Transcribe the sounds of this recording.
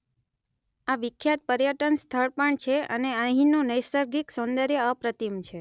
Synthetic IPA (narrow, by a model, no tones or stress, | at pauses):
aʋɪkʰjat̪̚pəɾjəʈənst̪ʰəɭpəɳt͡ʃʰeə̰neəɦĩnũnəjsəɾɡiksõnd̪əɾjeəpɾət̪imt͡ʃʰe